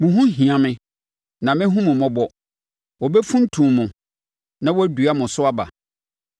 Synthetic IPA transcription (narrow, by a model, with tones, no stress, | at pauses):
mʊ̃˨ɦũ˦ɦĩ˨ã˨mɪ̃˨ | nã˨mɪ̃˦ɦũ˦mʊ̃˨mɔ̃˦bɔ˨ | wɔ˨bɛ˦fũ˦n̩˦tʰũ˨mʊ̃˨ | nã˦wɔ˦æ˦du˨˦a˦mʊ̃˨sʊ˦a˦ba̰˨